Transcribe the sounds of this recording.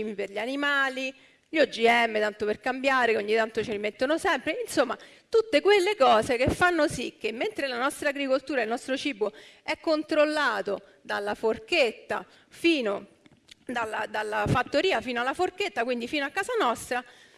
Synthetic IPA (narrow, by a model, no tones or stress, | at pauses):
imiperʎanimaːli | ʎod͡ʒiɛmːet̪ant̪operkambjaːɾekeoɲːit̪ːant̪ot͡ʃeɾimet̪ːonosɛmpɾeinsomːa | t̪ut̪ːekwelːekɔːzekefːanːosik̟ːemːent̪ɾelanɔst̪ɾaːɡɾikolt̪uːɾailnɔst̪ɾot͡ʃiːboɛkːont̪ɾolːaːt̪o | d̪a̰lːaforket̪ːa̰ | fiːno | d̪alːad̪alːafat̪ːoɾiːafiːnoalːaforket̪ːakwind̪ifiːnoakːaːzanɔst̪ɾa